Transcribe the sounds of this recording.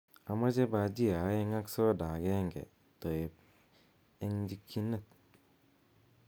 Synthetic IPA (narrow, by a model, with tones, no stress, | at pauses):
a˨ma˦t͡ʃe˦ba˧d͡ʒi˦˨a˨˦je˧ŋa˦kso˦˨da˨ɡe˦ŋɡḛ˨ | to˨je˨p̚ | e˦ŋd͡ʒi˦kʰːi˦nə˦˨k̚